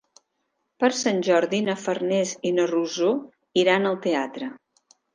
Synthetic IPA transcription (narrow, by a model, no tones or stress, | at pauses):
pəɾsanʲʒɔɾðinəfərnɛzinəruzo | iɾanəlˠt̪eat̪ɾə